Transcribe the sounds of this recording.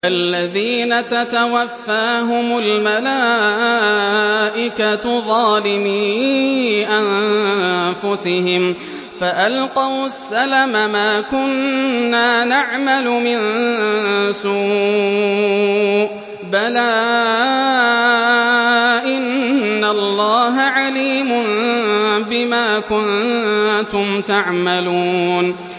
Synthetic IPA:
ʔalːaðiːnat̪at̪awafːaːɦʊmalmalaː | ʔɪkaðˤɑːlɪmiː | ʔan | fʊsɪhɪm | faʔalqɑwsːalamamaːkʊnːaːnaʕmalʊmɪn | suː | ʔ | balaː | ʔɪnːalˤːɑːɦaʕaliːmʊn | bɪmaːkʊn | t̪ʊmt̪aʕmaluːn

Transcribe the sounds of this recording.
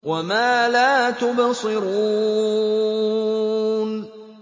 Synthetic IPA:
wamaːlaːt̪ʊbsˤɨɾuː | n

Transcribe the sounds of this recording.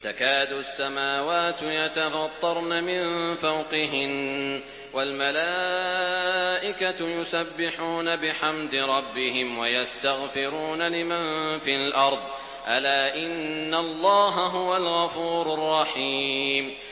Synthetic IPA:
t̪akaːd̪uasːamaːwaːt̪jat̪afɑt̪ˤːɑɾˤnamɪnfawqɪɦɪn | walmalaː | ʔɪkat̪ʊjʊsabːɪħuːnabɪħamd̪ɪɾˤɑbːɪɦɪmwajast̪aɣfɪɾuːnalɪmanfiːlʔɑɾˤd̪ˤ | ʔalaːʔɪnːalˤːɑːɦaɦʊwalɣɑfuːɾʊrˤːɑħiːm

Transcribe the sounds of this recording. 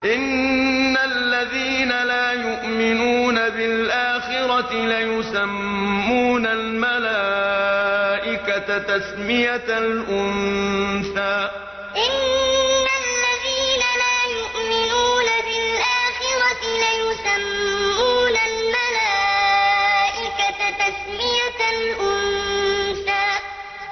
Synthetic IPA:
ʔɪnːalːaðiːnalaːjʊʔmɪnuːnabɪlʔaːxɪɾaɪlajʊsamːuːnalmalaː | ʔɪkat̪t̪asmɪjat̪lʔʊnsaː | ʔɪnː | alːaðiːnalaːjʊʔmɪnuːnabɪlʔaːxɪɾaɪlajʊsamːuːnalmalaː | ʔɪkat̪asmɪjalʔʊnsaːʔ

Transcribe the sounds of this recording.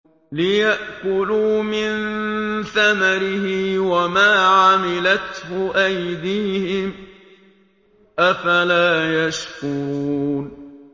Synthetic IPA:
lɪjaʔkʊluːmɪnθamaɾɪhɪwamaːʕamɪlat̪hʊʔajd̪iːhɪm | ʔafalaːjaʃkun

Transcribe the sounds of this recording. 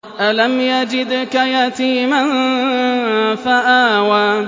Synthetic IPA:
ʔalamjad͡ʒɪd̪kajat̪iːman | faʔaːwaː

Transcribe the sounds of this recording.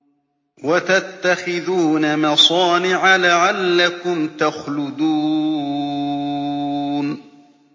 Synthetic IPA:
wat̪at̪ːaxɪðuːnamɑsˤɑːnɪʕalaʕalːakʊmt̪axlʊd̪uː | n

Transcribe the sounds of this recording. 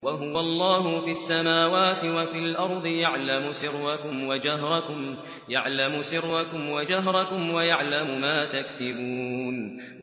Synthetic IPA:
waɦʊwalˤːɑːɦʊfiasːamaːwaːt̪ɪwafiːlʔɑɾˤd̪ˤɨjaʕlamʊsɪɾːakʊmwad͡ʒaɦɾˤɑkʊm | jaʕlamʊsɪɾːakʊmwad͡ʒaɦɾˤɑkʊmwajaʕlamʊmaːt̪aksɪbuːn

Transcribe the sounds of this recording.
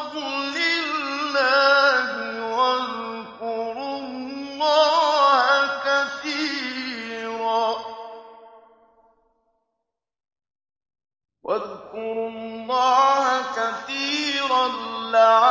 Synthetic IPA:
bʊlɪlːaːɦɪwað | kʊɾʊlːaːhakaθiː | ɾaː | wʔaðkʊɾʊlːɑːhakaθiːɾanlaa

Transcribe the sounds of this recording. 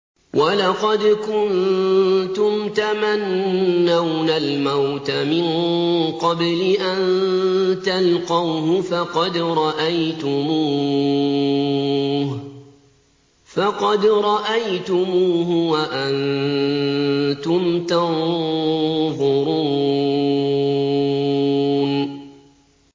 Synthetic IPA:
wʔalɑqɑd̪kʊn | t̪ʊmt̪amanːawnalmawt̪amɪnqɑblɪʔan | t̪alqɑwɦʊfɑqɑd̪ɾˤɑʔajt̪ʊmuː | fɑqɑd̪ɾˤɑʔajt̪ʊmuːɦʊwaʔan | t̪ʊmt̪an | ðʊɾuː | n

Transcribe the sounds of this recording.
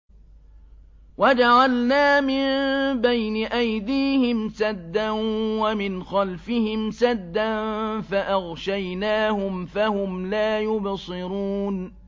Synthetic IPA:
wad͡ʒaʕalnaːmɪnbajnɪʔajd̪iːhɪmsad̪ːanwamɪnxɑlfɪhɪmsad̪ːanfaʔɑɣʃajnaːhʊmfahʊmlaːjʊbsˤɨɾuːn

